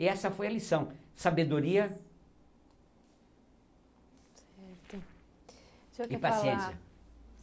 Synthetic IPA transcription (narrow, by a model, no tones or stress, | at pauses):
ɛsɐfojɐlisɐ̃w̃sabed̪oɾiɐ | sɛɾt̪ʊ | sokɪpasiẽɐ